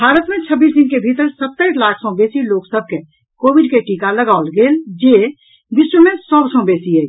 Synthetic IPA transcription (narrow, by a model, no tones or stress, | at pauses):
bʱaːɾət̪mẽt͡ʃʰəbːiːs̬d̪ɪnkebʱit̪əɾsət̪ːəɪslaːkʰsɔ̃beːsiloːksəb̚ʱke | koːbɪɖkeʈiːkaləɡaːʊlɡeːld͡ʒe | bɪswəmẽsɔbsɔ̃beːsiɦɛː